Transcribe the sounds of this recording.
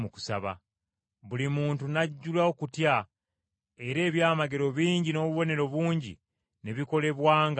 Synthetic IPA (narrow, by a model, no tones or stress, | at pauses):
uku̥sa̰βa̰ | βulimuːntunaɟːulaokutja | e̞ɾe̞ːβjaːmaɡe̞ɾo̞βiːɲɟino̞βuβo̞ne̞ɾo̞βuːɲɟḭ | ne̞βiko̞le̞βwaːŋɡ